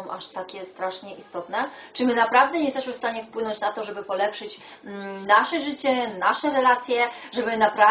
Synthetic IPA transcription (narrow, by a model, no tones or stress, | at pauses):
ɔ̃w̃ʔaʂt̪akʲɛst̪ɾaʂɲɛʔist̪ɔt̪nɛ | t͡ʂɨmɘnapɾavd̪ɛɲɛjst̪ɛɕmɘfst̪aɲɛfpwɘnɔɲt͡ɕnat̪ɔʐɛbɘpɔlɛpʂɘt͡ɕ̩ | naʂɛʐɘt͡ɕɛnaʂɛɾɛlat̪sʲjɛ | ʐɛbɘnapɾa